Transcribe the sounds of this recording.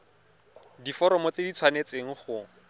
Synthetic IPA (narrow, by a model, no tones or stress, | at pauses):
difɔɾɔmɔt͡sedit͡sʰwanet͡seŋ̩χʊ